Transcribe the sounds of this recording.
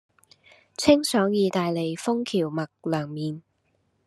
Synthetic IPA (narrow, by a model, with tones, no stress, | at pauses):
t͡sʰɪ˥ŋsœː˨˥ŋjiː˨˧t̪aː˨jle˨˩jfʊ˥ŋkʰiː˨˩wmɐ˨˩k̚lœː˨˩ŋmiː˨n